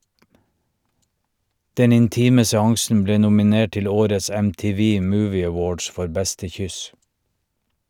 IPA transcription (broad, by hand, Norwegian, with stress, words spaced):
ˈdɛn ɪnˈtiːmə sɛˈɑŋsn̩ ˈbleː nʊmɪˈneːʈ ˈtɪl ˈoːɾəs ɛmtɪˈʋiː ˈmuːʋɪ əˈwoːɖs ˈfɔɾ ˈbɛstə ˈçʏs